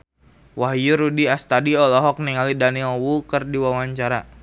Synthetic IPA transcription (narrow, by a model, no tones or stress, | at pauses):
waɦjuɾudiast̪adiɔlɔɦɔk̚niŋalidanilwukərdiwawaɲt͡ʃaɾa